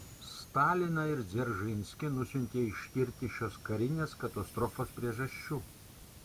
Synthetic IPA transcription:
st̪ɑːlʲɪnɐɪɾzʲɛɾʒɪnʲsʲkʲɪnʊsʲʊnʲk̪ʲeːɪʃʲk̪ʲɪɾʲt̪ʲɪʃʲoːskɐɾʲɪnʲeːskɐt̪ɐst̪ɾɔfoːspʲɾʲiɛʒɐʃʲt͡ʃʲuː

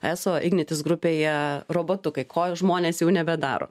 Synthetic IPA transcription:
æːsoːʔɪɡnʲɛt̪ʲɪsɡɾʊpʲeːjɛroːboːt̪ʊkɐɪkʰoːʒmoːnʲeːsjɛʊnʲɛbʲɛd̪ɑ̰ːɾo̰ː

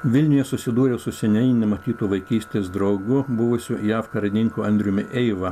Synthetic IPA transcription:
ʋʲɪlʲnʲʊjɛsʊsʲɪd̪uːɾʲesʊsʲɛnʲɛɪnʲɛmɐt̪ʲiːt̪uːʋɐɪkʲiːsʲt̪ʲeːsd̪ɾɐʊɡʊbʊʋʊsʲʊjæːfkɐɾʲɐd̪ʲɪŋʲkuːɐnʲd̪ʲɾʲʊmʲɪʔɛɪʋɐ

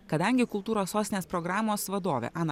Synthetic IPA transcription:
kɐd̪ɐŋʲɡʲɪkʊlˠt̪uːɾoːssoːsʲɪnʲeːspɾɔɡɾɑːmoːsʋɐd̪oːʋʲḛːʔɑːnɐ

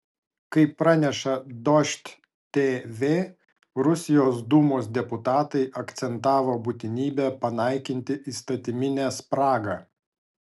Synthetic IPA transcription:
kɐɪpːɾɑnʲɛʃɐd̪ɔʃʲt̪ʲ | t̪ʲeʋʲeː | ɾʊsʲɪjoːsd̪uːmoːsd̪ʲɛpʊt̪ɑːt̪ɐɪʔɐkt̪sʲɛnt̪ɑːʋoːbʊt̪ʲɪnʲiːbʲæːpɐnɐɪkʲɪnʲt̪ʲɪʔiːst̪ɐt̪ʲɪmʲɪnʲæːspɾɑːɡɑː

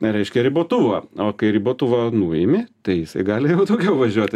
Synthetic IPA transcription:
ɾʲɛɪʃʲkʲɛɾʲɪboːt̪ʊʋɐːoːkɐɪɾʲɪboːt̪ʊʋɐnuːɪmʲɪt̪ɐɪjɪsɐɪɡɑːlʲɪjɛʊt̪oːɡʲɛʊʋɐʒʲuɔt̪ʲ

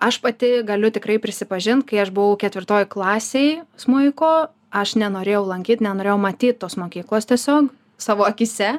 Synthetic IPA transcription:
ɐʃpɐt̪ʲɪɡɐlʲʊt̪ʲɪkɾɐɪpʲɾʲɪsʲɪpɐʒʲɪnt̪̚kɐɪɐʃbʊʋɐʊkʲɛt̪ʲʋʲɪrt̪oːjklˠɑːsʲeɪsmʊɪkoː | ɐʃnʲɛnoːɾʲeːjɛʊlˠɐŋʲkʲiːt̪nʲɛnoːɾʲeːjʊmɐt̪ʲiːt̪̚t̪ːoːsmoːkʲiːklˠoːst̪ʲiɛsʲoːk | sɑːʋoːɐkʲisʲɛ

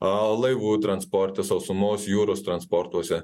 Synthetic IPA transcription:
ɐlˠɐɪʋuːt̪ɾɐnspɔɾʲt̪ʲɪsɐʊsʊmoːsjuːɾoːst̪ɾɐnspɔɾt̪uɔsʲɛ

